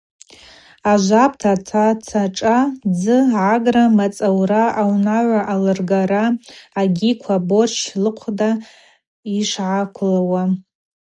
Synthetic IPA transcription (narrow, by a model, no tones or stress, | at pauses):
aʒʷap̚ʰtʰatʰat͡sʰaʈ͡ʂʼad͡zɨʕaɡramat͡sʼawraʔawnaʕʷaʔalɨrɡaɾaːɡʲikʷʰabo̞rt͡ʃlɨqʷʰda | iʂʕakʷʰlawa